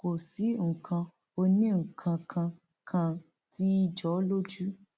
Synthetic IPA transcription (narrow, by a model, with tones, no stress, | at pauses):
ko˨si˨˦ŋ̩˨kʰã˧ | o˧nĩ˦˨ŋ̩˨kʰã˧kʰã˧ | kʰã˧ | ti˦i˦d͡ʒɔ˨˦lo˦d͡ʒu˦